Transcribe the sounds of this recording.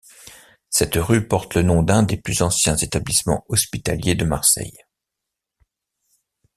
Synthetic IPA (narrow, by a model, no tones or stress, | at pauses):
sɛt̪ʁypɔʁt̪lənɔ̃d̪ɛ̃d̪eplyzɑ̃sjɛ̃zet̪ablismɑ̰̃ɔspit̪aljed̪əmaʁsɛ̰j